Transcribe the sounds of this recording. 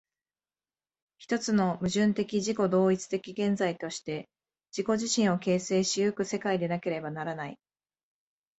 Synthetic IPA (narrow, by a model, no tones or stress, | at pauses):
çi̥t̪o̞t͡sɨno̞mɯ̟ʑɨ̃nt̪e̞kʲiʑiko̞d̪o̞ːit͡sɨ̥t̪e̞kʲiɡẽ̞nd͡zait̪o̞ɕi̥t̪e̞ | d͡ʑiko̞ʑiɕĩɰ̃o̞ke̞ːse̞ːɕijɯkɯ̟se̞kaid̪e̞nake̞ɾe̞banaɾanaḭ